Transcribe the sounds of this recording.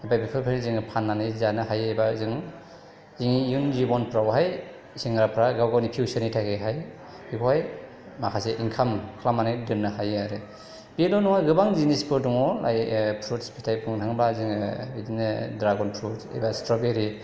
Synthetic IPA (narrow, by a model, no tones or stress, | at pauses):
ebajbipʰɯɾpʰeniziŋpʰanːanɯjzanɯɦajejbazɯŋ | ziŋijunzibɔnpʰɾawɦaj | siŋɾapʰɾaɡawɡawnipʰiwsanijtʰakʰeɦaj | pʰiwaj | makʰaseʔiŋkʰamkʰlamanajdɯnnɯhajaɾɯ | bidɔnɔŋajɡɯbaŋzinispʰɯɾdɔŋɔla̰jpʰɾutspʰitʰajpʰɯŋtʰaŋbaziŋidinɯdɾaɡɔnpʰɾutsḛjbastɾɔbeɾi